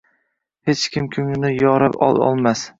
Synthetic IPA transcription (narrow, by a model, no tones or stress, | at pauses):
het͡ʃkʲʰɪmkʲʰʊŋɪnɪjɒɾapɒ̰lˠɒ̰lˠmas